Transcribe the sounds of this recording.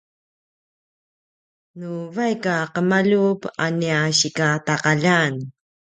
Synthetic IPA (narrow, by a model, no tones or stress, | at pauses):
nuvajkaqəmaʎupaniaɕikataqaʎan